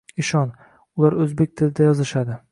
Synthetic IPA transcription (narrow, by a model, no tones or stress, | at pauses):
ɪʃɒn | ʊlˠaɾɵzbe̞k̚ʲt̪ʰɪlɪd̪ajɒzɪʃad̪ɪ